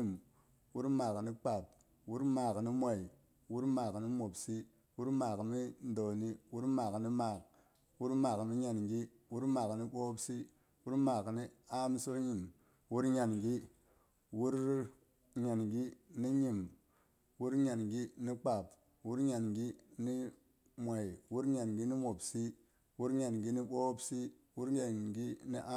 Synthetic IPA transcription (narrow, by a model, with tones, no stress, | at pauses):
i˨m | wu˦ɾmaː˨kni˦k͡pa˨p̚ | wu˦ɾmaː˨kni˦mʷo˨i˨ | wu˦ɾmaː˨kni˦mo˨bsi˦ | wu˦ɾmaː˨kmi˦n˦do˨ni˦wu˦ɾmaː˨kni˦ma˨k | wu˦ɾmaː˨kmi˦ɲa˨nɡi˦ | wu˦ɾmaː˨kni˦ɓo˦bsi˦ | wu˦ɾmaː˨kni˦a˦m˦su˦ɾɲi˨m | wu˦ɾɲa˨nɡi˦ | wu˦ɾ | ɲa˨nɡi˦ni˦ɲi˨m | wu˦ɾɲa˨nɡi˦ni˦k͡pa˨p | wu˦ɾɲa˨nɡi˦ni˦ | mʷa˨i˨wu˦ɾɲa˨nɡi˦ni˦mo˨bsi˦ | wu˦ɾɲa˨nɡi˦ni˦ɓo˦bsi˦ | wu˦ɾɲa˨nɡi˦ni˦ʔa˦